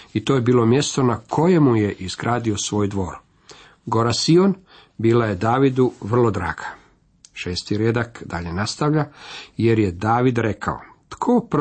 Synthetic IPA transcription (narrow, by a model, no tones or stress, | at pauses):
it̪ojebiːlˠo̞mje̞st̪o̞nakʰo̞je̞muje̞ʔiz̥ɡɾʔaːd̪io̞sʋo̞ːjd̪ʋo̞ːɾ | ɡo̞ɾasio̞n | biːlaje̞d̪aːʋid̪uʋr̩lˠo̞d̪ɾa̰ːɡ̥ḁ | ʃeːst̪iɾje̞d̪akd̪a̰ʎe̞nast̪aʋʎaje̞ɾje̞d̪aːʋid̪ɾe̞kʰa̰o̰ | t̪kʰop